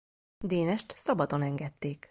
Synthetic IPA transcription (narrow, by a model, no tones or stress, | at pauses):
d̪eːnɛʃt̪sɒbɒd̪o̞nɛŋɡɛt̪ːeːk